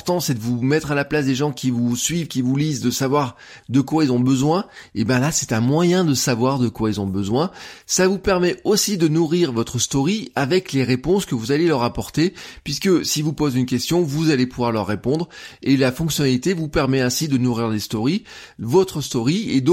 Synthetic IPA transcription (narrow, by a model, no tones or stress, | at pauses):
ʁt̪ɑ̃sɛd̪əvumɛt̪χalaplasd̪eʒɑ̃kʲivusɥivkʲivulizd̪əsavwaʁ | d̪əkwailzɔ̃bəzwɛ̃ebɛ̃lasɛ̥t̪ɛ̃mwajɛ̃d̪əsavwaʁd̪əkwailzɔ̃bəzwɛ̃savupɛʁmɛosid̪ənuʁiʁvɔt̪χəst̪ɔʁiavɛkleʁepɔ̃skəvuzalelœʁapɔʁt̪epɥiskəsivupozynkʲɛst̪jɔ̃vuzalepuvwaʁlœʁːepɔ̃d̪ʁelafɔ̃ksjɔnalit̪evupɛʁmɛɛ̃sid̪ənuʁiʁlest̪ɔʁi | vɔt̪χəst̪ɔʁied̪